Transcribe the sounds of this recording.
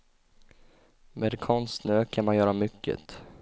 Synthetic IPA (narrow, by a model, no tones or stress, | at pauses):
meːd̪kʰɔnst̪nøːkʰanmanjœːɾamʏkːə̰t̪